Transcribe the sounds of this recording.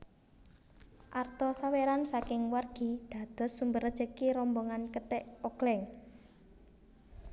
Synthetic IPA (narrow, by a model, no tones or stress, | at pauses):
ʔart̪ɔsaweɾansakɪŋwarɡ̥i̤d̪̥ä̤d̪̥ɔ̤sːumbərəd̥d͡ʒ̥əkiɾɔmbɔŋankət̪ɛʔɔɡ̥lɛŋ